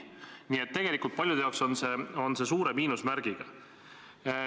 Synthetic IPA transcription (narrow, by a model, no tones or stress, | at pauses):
nʲiːe̞t̪ːe̞ɡ̥elikːˑult̪̚pɑlʲjud̪eɑokso̞nse̞o̞nse̞suːɾe̞miːnusmæɾɡ̥iɡ̥ɑ